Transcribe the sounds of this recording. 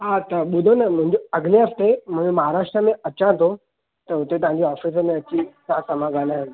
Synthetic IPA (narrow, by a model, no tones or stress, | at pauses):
ɦat̪ɐɓʊd̪ʱonɐmʊ̃ɦɪ̃ɲd͡ʑoɐɡneɦɐft̪emʊ̃ɦmɐɦaɾaːʂʈɾəmẽɐt͡ɕãt̪ʰo | t̪ɐɦʊt̪et̪ɐʋ̤ãɲd͡ʑiɔːfiːs̬əmẽɐt͡ɕisãsɐmãɡalaɦɪ̃n